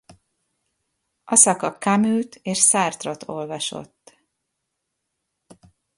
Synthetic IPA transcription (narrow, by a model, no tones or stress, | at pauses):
ʔɒsɒkɒkamylt̪ʰeːʃsaːrt̪rot̪ʰo̞lvɒʃo̞̰t̪ː